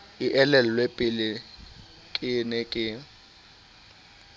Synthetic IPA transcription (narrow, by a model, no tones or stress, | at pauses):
ɪʔɛlɛlɔlwepʼɪlɪ | kʼɪnɪkʼɪ